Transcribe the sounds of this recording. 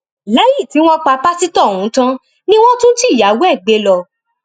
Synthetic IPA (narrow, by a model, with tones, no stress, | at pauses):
lɛ˨˦ji˦˨ti˨˦w̃ɔ̃˦k͡pa˧pa˦si˦tɔ˦˨hũ˨˦tã˦ | nĩ˦w̃ɔ̃˦tũ˦n̩˦ti˦˨ja˨˦wɛ˦˨ɡ͡be˨˦lɔ˧